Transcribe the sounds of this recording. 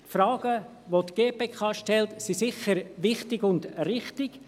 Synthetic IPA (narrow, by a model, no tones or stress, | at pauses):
tfɾɑːɡ̥ə | ʋotɡ̥eːpeːkʰɑːʃtɛlt̪sisɪχəɾʋɪχtɪɡʊndrɪχtɪɡ̥